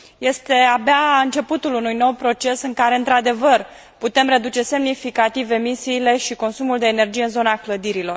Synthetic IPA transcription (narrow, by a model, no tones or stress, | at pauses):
je̞st̪e̞abeaɨnt͡ʃe̞put̪ulunujno̞wpɾo̞t͡ʃe̞sɨŋkaɾe̞ɨnt̪ɾad̪e̞vər | put̪e̞mɾe̞d̪ut͡ʃe̞se̞mnifikat̪ive̞misiːle̞ʃiko̞nsumuld̪e̞ːne̞rd͡ʒijeɨnzo̞nakləd̪iɾilo̞̰r